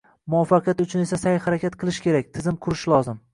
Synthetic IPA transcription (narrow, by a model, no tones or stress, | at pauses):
mʊwɒfːɑqʰjat̪ʊt͡ʃʰʊne̞sasajhaɾakʲʰat̪qʰɨlˠɪʃkʲʰe̞ɾakʲt̪ʰɪzɪmqʰʊɾɪʃlˠɒzɪm